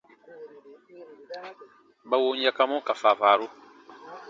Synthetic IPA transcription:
ba˨wo˦ɲ˦ja˦ka˦mɔ̃˦ka˨fa˨vaː˨ɾo˦

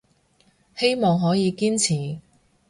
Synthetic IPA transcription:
he˥jmɔː˨ŋɦɔː˨˥jiː˨˧kiː˥nt͡sʰiː˨˩

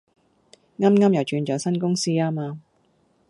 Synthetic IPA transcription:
ŋɐ˥mŋɐ˥mjɐ˨˩wt͡ʃyː˨˧nt͡ʃɔː˨˧wsɐ˥nkʊ˥ŋsiː˥aː˥maː˧

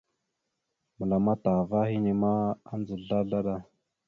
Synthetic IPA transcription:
mə˨la˨ma˦ta˨va˦ɦi˦ni˨ma˦a˦nd͡zə˨ɮa˦ɮa˦ɗa˦

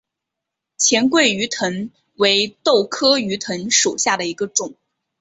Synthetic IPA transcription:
t͡ɕʰjɛ˧˥nkwe˥˩ɪy˧˥t̪ʰə˧˥n | we˧˥ɪt̪o˥˩ʊkʰɤ˥y˧˥t̪ʰə˧˥nʂo˨˩ʊɕja˥˩d̪ə˩i˧˥ɡə˧ʈ͡ʂʊ˨˩˦ŋ

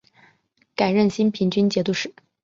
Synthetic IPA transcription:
ka˨˩ɪɻə˥˩nɕi˥npʰi˧˥ŋt͡ɕy˥nt͡ɕjɛ˧˥t̪u˥˧ʂɻ̩˥˩

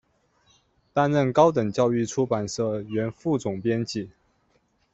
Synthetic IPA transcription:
t̪a˥nɻə˥˩nkɑ˥ʊt̪ə˨˩ŋt͡ɕjɑ˥˧ʊy˥˩ʈ͡ʂʰu˥pa˨˩nʂɤ˥˩ɥɛ˧˥nfu˥˩t͡sʊ˨˩ŋpjɛ˥nt͡ɕi˥˩˦

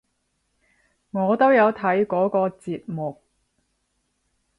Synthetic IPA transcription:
ŋɔː˨˧t̪o˥wjɐ˨˧wt̪ʰɐ˨˥jkɔː˨˥kɔː˧t͡siː˧t̚mʊ˨k̚

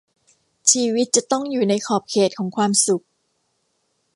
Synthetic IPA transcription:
t͡ɕʰiː˧wi˦˥t̪̚t͡ɕa˨˩t̪ɔ˥˩ŋjuː˨˩na˧jkʰɔː˨˩p̚kʰeː˨˩t̪̚kʰɔː˩˦ŋkʰwaː˧msu˨˩k̚

